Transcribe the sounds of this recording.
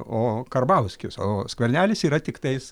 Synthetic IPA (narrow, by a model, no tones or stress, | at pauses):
oːkɐrbɐʊsʲkʲʊsoːskʋʲɛɾʲnʲæːlʲɪsiːɾɐt̪ʲɪkt̪ɐɪs